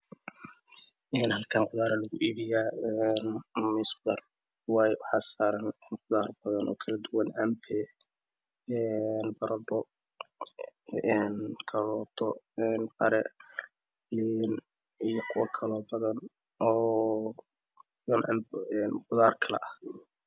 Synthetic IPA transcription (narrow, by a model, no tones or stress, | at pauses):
ʔɛːnhɐlkʰaːnqʊðaːɾɐlɐɣʊʔiːbɪjaːɛnmɪsbɐr | waːjɛwɑħɑːsaːɾɐnɛːnqʊðaːrbɐðɐnɔ̰ːkʰɐlɐd̪ʊwɐnɐmpʰɛ | ɛnbɐɾɐdɔ | ɛnkʰɐlɔːt̪ʰɔɛnbɐ̰ɾɛ | lin | ijɔkʰʊwɐkʰɐlɔːbɐðɐn | ɔː | jɔnʔɐ̰mnqʊðaːrkʰɐlɛ̰ʔɐh